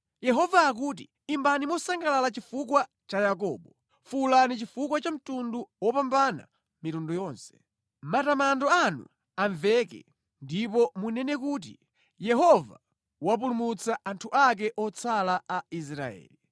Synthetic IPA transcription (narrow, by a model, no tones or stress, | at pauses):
jɛɦɔvaːk̬uːt̬i | imbanimɔsaŋɡalalat͡ʃifukwa | t͡ʃajak̬ɔːɓɔ | fulanit͡ʃifuk̬wat͡ʃam̩tunduwɔpambana̰ | mitundujɔːnsɛ̥ | matamandɔanṵ | aɱvɛkɛ̰ | ndipɔmunɛnɛkuːt̬ḭ | jɛɦɔva | wap̬ulumut͡saʔantʰuʔak̬ɛʔɔt͡sʰalaais̬ɾa̰ɛ̰ːli